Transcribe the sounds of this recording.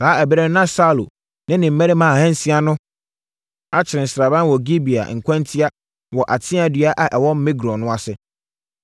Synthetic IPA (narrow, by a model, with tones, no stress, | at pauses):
saː˨˦ɛ˨bɾɛ˦nã˦sa˦lo̰˨ | nɪ̃˦nɪ̃˨m̩˨˦mɛ˦ɪ˦mã˨hɛ̃˦n̩˦si˦a˦nʊ̃˦ | a˦t͡ɕʰɪ˨ɾɪ̃˨n̩˨sɾa˨bã˦n˦wɔ˨ɡi˦bi˨a̰˨ŋ̩˨kʷʰã˦ntʰi˦a˦ | wɔ˨ʔa˨tʰɪ̃˦a˨dɥa˦ʔa˨ʔɛ˨wɔ˦m̩˦mɪ̃˦ɡɾɔ̃˨nʊ̃˦a˨sɪ˦˨